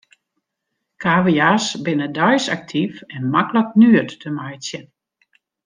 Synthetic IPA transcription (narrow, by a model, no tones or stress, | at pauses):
kʰaːʋijasbɪnədɔjsak̚tʰifɛnmaklək̚nyətdəmajsjən